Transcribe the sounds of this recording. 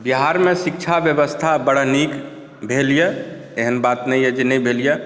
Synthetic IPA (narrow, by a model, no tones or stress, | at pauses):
biɦaɾmẽsik̚t͡ʃʰabjəbəst̪ʰabəɽənik | bʱelijə | eɦənbat̪nɛijəd͡ʒenɛibʱelijə